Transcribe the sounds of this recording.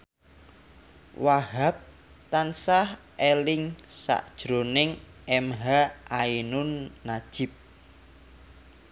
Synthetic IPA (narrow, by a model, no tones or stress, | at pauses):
waɦap̚ | t̪ansah | ʔelɪŋsa̰ʔd̥ʒ̥ɾo̤nɪŋ | ɛmɦaʔainʊnːad̥ʒ̥ɪ̤p̚